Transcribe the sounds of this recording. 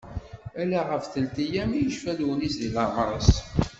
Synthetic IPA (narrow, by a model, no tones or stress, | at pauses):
ælæʁəfθəlt̪ijæmijəʃfæluwnisðilɑmɾˤɑs